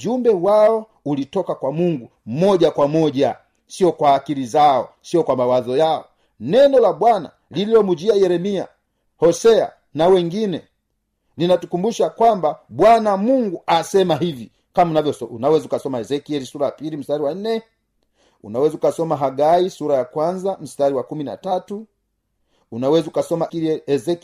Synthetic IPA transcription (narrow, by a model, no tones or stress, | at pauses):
d͡ʒumbɛwaɔ | ulitɔkakwamuŋɡum̩mɔʄakwamɔʄa | siɔkwaːkiɾizaɔsiɔkwamawazɔjaɔ | nɛnɔlaɓwana̰ | lililɔmud͡ʒiajɛɾɛmia̰ | hɔsɛa̰ | nawɛŋɡinɛ | ninatukumbuʃakwambabwanamuŋɡuasɛmaɦivi | kamnavjɔunawɛzukasɔmaɛzɛkiɛlisuɾajapilim̩staɾiwan̩nɛ | ṵnawɛzaukasɔmaɦaɡaisuɾajakwanzam̩staɾiwakumina̰tatu | unawɛzukasɔmakiiɛzɛk